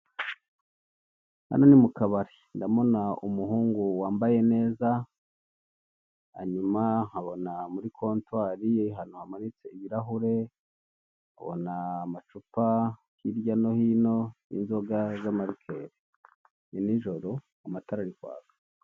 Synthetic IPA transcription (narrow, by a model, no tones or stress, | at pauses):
ha̰nonimukaβaɾe | ndamo̞naumuɦuːŋɡuwaːmbaje̞ne̞ːza | ha̰ɲumahaβo̞namuɾikʰo̞ːntwaːɾiɦanohamanit͡se̞iβiɾaɦuɾe̞ | ha̰βo̞̰naːmat͡ʃupa | hiɾjano̞hino̞ḭnzo̞ɡazamaɾikʰeːɾe | iniʒo̞ɾo̞ | amataɾaɾikwa̰ːβḁ